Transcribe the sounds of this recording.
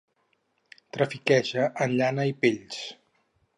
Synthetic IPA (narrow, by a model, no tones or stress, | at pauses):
t̪ɾəfikɛʒəʔənʎanəipeʎs